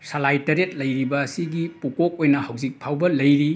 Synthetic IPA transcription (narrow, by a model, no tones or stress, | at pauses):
sɐlajtɐɾet̚lɐjɾibɐːsiɡipukok̚ojnɐhɐwzik̚pʰawbɐlɐjɾi